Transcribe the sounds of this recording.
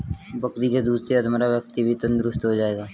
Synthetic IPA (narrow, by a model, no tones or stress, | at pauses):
bɐkɾid͡ʒad̪uːsɾeɐd̪maɾaʋjəkt̪ibʱit̪ənd̪ʊɾʊst̪ɦod͡ʒaːeːɡaː